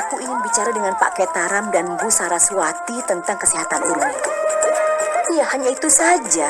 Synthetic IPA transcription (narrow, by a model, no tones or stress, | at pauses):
akuiɲɪnbit͡ʃaɾadəŋanpa̰ʔkɛt̪aɾamdanbusaɾasuat̪it̪ənt̪aŋkəsiɦat̪anuɾu | ijahaɲait̪usad͡ʒa